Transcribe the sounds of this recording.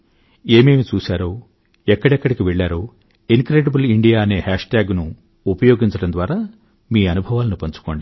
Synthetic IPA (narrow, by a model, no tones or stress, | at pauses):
e̞ːme̞ːmit͡ʃuːsaːɾoː | ɛkːɐɽɛkːɐɽikiʋɛɭːaːɾoː | inkɾeːɖɐbuliɳɖijaːɐne̞ːhaːʂʈaːɡnu | upɐjo̞ːɡiɲt͡ʃɐɽɐnd̪ʋaːɾaː | miːɐnubʱɐʋaːlɐnupɐɲt͡ʃu̥ko̞ːɳɖi